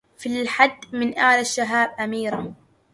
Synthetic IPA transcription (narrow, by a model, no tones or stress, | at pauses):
filħad̪ːmɪnʔaːlaʃːaɦaːb̚ʔamiːɾa